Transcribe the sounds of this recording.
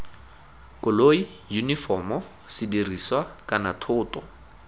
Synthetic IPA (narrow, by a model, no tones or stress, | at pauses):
kʼʊloi | junifɔmɔ | sɪdiriswakʼanatʰʊːtɔ